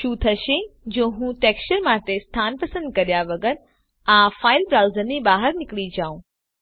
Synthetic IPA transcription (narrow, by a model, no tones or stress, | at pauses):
ʃuːt̪ʰɐʃed͡ʒõːɦũːʈeːkst͡ʃəɾmaːt̪est̪ʰaːnpɐsə̃nd̪̚kɐɾijaʋɐɡəɾ | afaːɪlbɾaːʊzəɾnibaːɦəɾnɪkɭid͡ʒaːũ